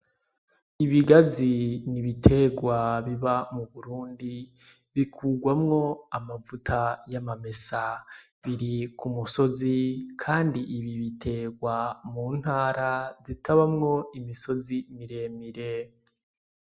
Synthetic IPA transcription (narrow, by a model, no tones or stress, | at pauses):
iβiɡaziniβitʰe̞ɡwaβiβamuβuɾuːndi | βikʰuːɡwamŋo̞amavutʰajamame̞sa | βiɾikʰumuso̞zikʰaːndiʔiβiβitʰe̞ɡwamuːn̥haːɾazitaβamŋo̞imiso̞zimiɾe̞ːmiɾe